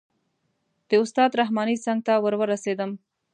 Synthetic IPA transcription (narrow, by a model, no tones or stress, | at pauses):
d̪̥əʊst̪ɑd̪ɾaɦmɑnisaŋɡ̚t̪awəɾwəɾased̪əm